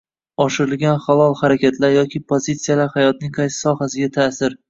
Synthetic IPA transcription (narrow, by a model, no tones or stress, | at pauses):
ɒʃɪɾɪlɡʲanχalɒlˠhaɾakʲʰat̪ʰlaɾjɒkʲʰɪpʰozit̪sijalaɾhajɒt̪̚nɪŋqʰɑjsɪ̥sɒhasɪɡʲat̪ʰaːsɪɾ